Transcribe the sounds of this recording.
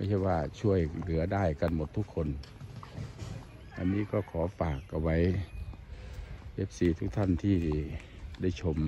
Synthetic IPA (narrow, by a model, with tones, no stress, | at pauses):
ma˧˩˨t͡ɕʰa˧˩waː˧˩t͡ɕʰu˧˩˨əjlɯ˨˦ɐdaː˥˩jka˧˩˨nmo˧˦t̪ʰːu˧˥kʰːo˧˥˨n | ʔa̰˧˨nmiː˧˥˨kɔː˧˩kʰɔː˨˦faː˨˩kːa˧˩wa˧˥j | he˦˥p̚siː˨˦t̪ʰu˦˧k̚t̪ʰa˧˥˨nt̪ʰiː˧˩si˧˩da˧˥˩jt͡ɕʰo˧m